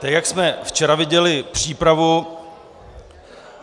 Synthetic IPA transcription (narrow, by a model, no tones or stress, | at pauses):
t̪ɛkjaksmɛft͡ʃɛɾavɪɟɛlɪpr̝̥iːpɾavu